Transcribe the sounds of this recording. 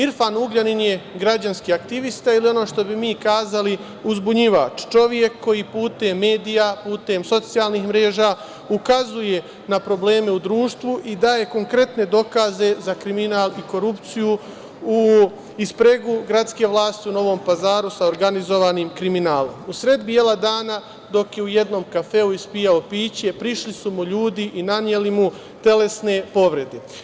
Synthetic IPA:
iɾfanuɡʎaninje̞ɡɾad͡ʑanskiːakt̪iʋist̪ailio̞noʃt̪o̞bimiːkaːzali | uzbuɲiʋa̰ːt͡ʃt͡ʃo̞ʋje̞kʰːo̞jipuːt̪e̞mːe̞ːd̪ijapuːt̪e̞mso̞t̪sijaːlnixmɾe̞ːʒa | ukazuje̞ | napɾo̞ble̞ːme̞ud̪ɾuːʃt̪ʋuʔid̪aːje̞ko̞ŋkɾe̞t̪ne̞d̪o̞kaze̞zakɾiminaːliko̞ɾupt̪siju | u | ispɾe̞ɡuɡɾat̪ske̞ʋlˠaːst̪iuno̞ʋo̞mpazaːɾusaoɾɡanizo̞ʋaːniːmkɾiminaːlo̞̰musɾe̞d̪bije̞lˠad̪aːna | d̪o̞kje̞uje̞d̪no̞mkafe̞uispijao̞piːt͡ɕe̞pɾiʃlisumuʎuːd̪iʔinanje̞limu | t̪e̞le̞sne̞po̞ʋɾe̞d̪e

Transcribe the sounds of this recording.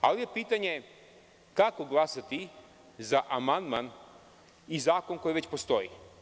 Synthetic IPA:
alijepiːt̪aɲe | kakoɡlˠasat̪i | zaʔamand̪man | izaːko̞ŋko̞jiʋet͡ɕpost̪o̞ḭ

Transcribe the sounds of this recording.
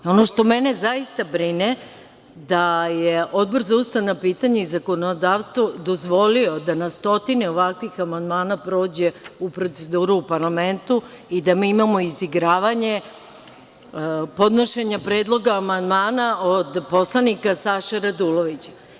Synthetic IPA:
o̞no̞ʃt̪o̞mene̞zaist̪abɾine | d̪ajeo̞d̪̚boɾzaust̪aʋnapiːt̪aɲeizako̞nod̪aːʋst̪ʋod̪o̞zʋo̞lio̞d̪anast̪o̞t̪ineo̞ʋakʋixamand̪maːnapɾo̞ːd͡ʑeupɾo̞t̪se̞d̪uːɾuːpaɾlame̞nt̪u | id̪amiːimamo̞iziɡɾaːʋaɲe̞ | po̞d̪noʃeɲapɾe̞ːd̪lˠo̞ɡaːmand̪maːnaod̪po̞slˠanikasaʃaɾad̪uloʋit͡ɕḁ

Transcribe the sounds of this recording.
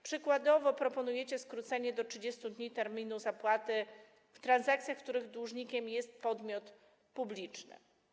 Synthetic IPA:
pʂɘkwad̪ɔvɔpɾɔpɔnujɛt͡ɕɛskɾut̪sɛɲɛd̪ɔtʂɘd͡ʑest̪ud̪ɲit̪ɛɾmʲinuzapwat̪ɘ | ft̪ɾanzakt̪sʲjaxkt̪uɾɘɣd̪wuʐɲikʲɛmjɛst̪̚pɔd̪mʲjɔt̪ | publʲit͡ʂnɘ̰

